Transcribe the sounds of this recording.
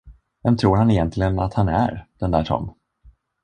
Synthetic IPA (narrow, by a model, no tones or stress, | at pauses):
vɛmt̪ʰɾuːɾhanɪjɛnt̪ʰlɪɡənat̪hanæ̰ɾd̪̥ɛnd̪æːʈʰɔ̰m